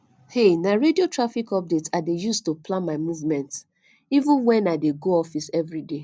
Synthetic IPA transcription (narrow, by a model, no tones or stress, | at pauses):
henaɹediotɹafikɔp̚detsadejustoplãnmaɪmuvmɛ̃nt | ivũnwɛ̃naɪdeɡoɔfisɛvɹide